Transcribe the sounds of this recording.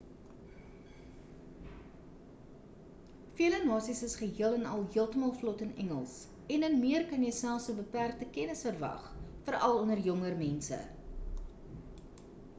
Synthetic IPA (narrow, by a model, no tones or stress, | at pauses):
fiələnɑːsisəsχəɦiələnɐlˠɦiəlˠtəmɑːlˠflɔtənɛ̰ŋəlˠs | ɛnənmiərkɐnjəsælˠsəbəpærk̚təkɛnəsfərvɐ̰χfərɐlˠɔnərjɔŋərmɛnsə̰